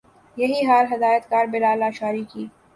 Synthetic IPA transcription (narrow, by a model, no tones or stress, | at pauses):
jɐɦiɦaːɾɦɐd̪aːjət̪kaːɾbɪlaːlaʃaːɾikiː